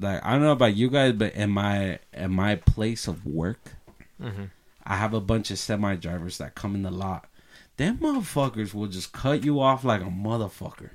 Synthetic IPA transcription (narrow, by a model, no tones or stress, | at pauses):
laɪka̰ɪdõnoʊəbaʊt͡ʃɨɡaɪzbʌɾʔɪ̰̃nmaɪɪ̰̃nmaɪpʰl̥eɪsʌvwɜ˞k | ʔa̰ɪɨvəbʌ̃nt͡ʃʌ̥sɛt̚maɪdɹaɪvə˞zðɨ̰t̚kʰʌ̃mɪ̃nəlɔt̚ðɨ̃nmʌðə˞fʌkə˞zwɪlˠd͡ʒʌskʰʌt͡ʃəɔflaɪkəmʌðə˞fʌ̰kə̰˞